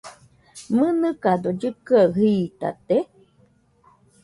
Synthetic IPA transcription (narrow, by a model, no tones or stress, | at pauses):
mɨnɨkad̪od͡ʒɨkɨaɦiːt̪a̰t̪e